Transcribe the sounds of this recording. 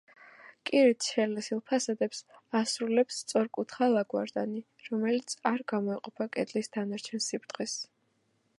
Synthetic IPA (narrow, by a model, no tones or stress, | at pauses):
kʼiɾit̪ʰʃɛlɛsilˠpʰasad̪ɛpsasɾulɛpsːt̪sʼɔɾkʼut̪ʰχalˠaɡwa̰ɾd̪ani | ɾɔmɛlit̪sʰaɾɡamɔiqʼɔpʰakʼɛd̪lisd̪anaɾt͡ʃʰɛnsipʰɾt̪ʰχɛs